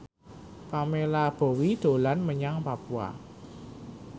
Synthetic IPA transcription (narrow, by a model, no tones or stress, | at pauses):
pamelab̥o̤wid̪̥o̤lanməɲaŋpapua̰